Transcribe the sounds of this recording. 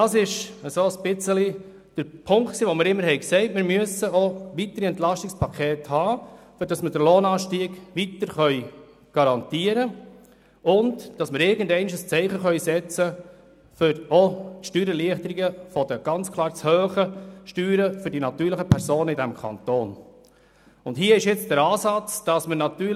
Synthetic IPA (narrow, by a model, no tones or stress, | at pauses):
dɑːsɪʃəsoːəsb̥ɪt͡səli | d̥əɾpʰʊŋkksiːʋɔmɪːɾɪmːəɾhɛɪksɛɪtmɪɾmyəsəoʋitəɾiɛntlɑʃtɪkspʰɑkʰeːthɑːfʏɾd̥ɑsməɾdəɾloːnɑːʃtiːɡ̥ʋit̪əɾχœʏ | ɡ̥ɑɾɑntiəɾə | ʊndd̥ɑsməɾɪɾɡəndɛɪnɪʃəst͡sɛɪχəχœʏsɛt͡sə | fʏɾoʃtyːɾəliəχtəɾiɡəfɔd̥əɡ̥ɑnt͡skʰlˠɑːɾt͡shøːχəʃtyːɾəfʏɾdinɑtyːɾləχəpʰɛɾsoːnəɪdɛmkʰɑ̰nt̪oːn | ʊntɦiːəɪʃjɪt͡sd̥æɾɑːsɑt͡sd̥ɑsmənɑt̪yː